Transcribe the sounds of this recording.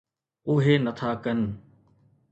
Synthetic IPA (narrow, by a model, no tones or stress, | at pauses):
ʊɦenət̪ʰaːkɐn